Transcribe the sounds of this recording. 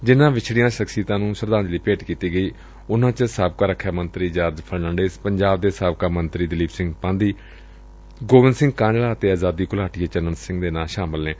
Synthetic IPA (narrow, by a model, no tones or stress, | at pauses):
d͡ʒɪnãːʋɪt͡ʃʰɽɪjãːʃəksiːt̪ãːnũːsəɾd̪ãːnd͡ʒliːpeːʈkiːt̪iːɡəiː | ʊnãːt͡ʃəsaːb̚kaːɾəkʰːaːmənt̪ɾiːd͡ʒaːɾd͡ʒpʰəɾnãːɳɖeːspəɲd͡ʒaːb̚d̪eːsaːb̚kaːmənt̪ɾiːd̪ɪliːbsɪ̃ŋɡpãːnd̪iː | ɡoːʋɪnsɪ̃ŋɡ̚kãːd͡ʒlaːt̪eːaːzaːd̪iːkʊlaːʈieːt͡ʃənənsɪ̃ŋɡd̪eːnaːlʃaːmɪlneː